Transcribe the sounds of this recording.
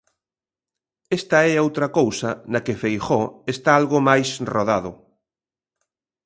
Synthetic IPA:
est̪ɐɛowt̪ɾɐkowsɐnɐkefejxɔest̪aalɣomajsroðaðʊ

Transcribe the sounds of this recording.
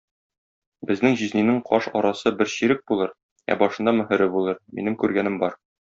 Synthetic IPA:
bɘ̆znɘŋʑizninɘɴqʰɒ̰ʃɒ̰ɾɑsɤbɘɾɕiɾɘk̚bulˠɤɾ | æ̰bɒʃɤ̆nd̪ɑmɘ̆hɘ̆ɾɘbulˠɤɾmḭnɘmkʉɾɡænɘmbɒɾ

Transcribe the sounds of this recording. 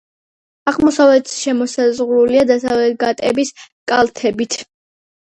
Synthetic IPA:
aʁmɔsavlɛt̪ʰsʃɛmɔsazʁɾuliad̪asavlɛt̪̚ɡat̪ʼɛ̰biskʼalˠt̪ʰɛbit̪ʰ

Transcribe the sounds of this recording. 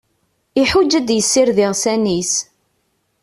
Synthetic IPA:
iħud͡ʒːæd̪jəsːɪɾðɪʁsænis

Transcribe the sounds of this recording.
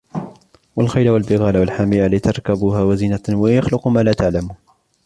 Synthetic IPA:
walxajlawalbɪɣaːlawalħamiːʔalɪt̪ɑɾˤkabuːɦaːwaziːnawajaxlʊqmaːlaːt̪aʕlamuːn

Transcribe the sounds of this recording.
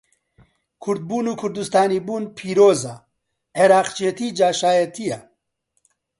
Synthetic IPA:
kʰʊɾd̪̚buːnuːkʰʊɾd̪ust̪aːniːbuːnpʰiːɾoːza | ʕeɾaːqt͡ʃet̪iːd͡ʒaːʃaːjɐt̪ʰija

